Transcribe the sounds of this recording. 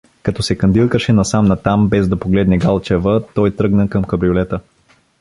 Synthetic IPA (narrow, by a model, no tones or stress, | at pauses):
kɐt̪ɔsɛkɐnd̪ilˠkəʃɛnɐsamnɐt̪ambɛzd̪ɐpoɡlɛd̪nɛɡalˠt͡ʃɛvət̪ɔjt̪ɾɤɡnəkɐmkɐbɾiolɛt̪ə